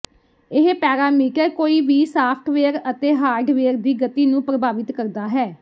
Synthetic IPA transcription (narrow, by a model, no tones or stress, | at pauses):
ɪɦpɛːɾaːmiːkəkoːiːʋiːsaːpʰʈʰʋeːəɾət̪eːɦaːɾɖʋeːəɾd̪iːɡət̪iːnũːpɾəbaːʋɪt̪kəɾd̪aːɦɛː